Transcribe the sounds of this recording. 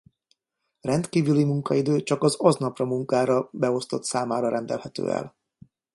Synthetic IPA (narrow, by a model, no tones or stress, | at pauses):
rɛnt̪kiːvylimuŋkɒid̪øːt͡ʃɒkɒzɒznɒprɒmuŋkaːɾɒbɛo̞st̪o̞t̪saːmaːɾɒɾɛnd̪ɛ̰lhɛt̪ø̰ːɛ̰l